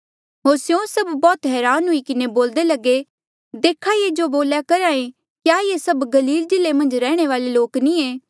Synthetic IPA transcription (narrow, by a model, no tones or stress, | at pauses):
ɦoːɾsjõsɐbːɔːt̪ɦɛːɾaːnɦʊikɪneboːld̪elɐɡe | d̪eːkʰajed͡ʒoboːljakɐɾãːẽ | kjaːjesɐbɡɐliːld͡ʒɪlːemɐ̃nd͡ʒɾɛːɽ̃eʋaːleloːknĩeː